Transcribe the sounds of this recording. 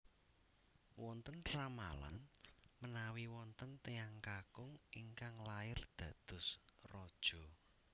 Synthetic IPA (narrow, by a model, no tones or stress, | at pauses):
wɔnt̪əntɾama̰la̰nmənawiwɔnt̪ənt̪eaŋkakʊŋiŋkaŋlaɪrd̪̥ä̤d̪̥ʊ̤srɔd̥ʒ̥ɔ̤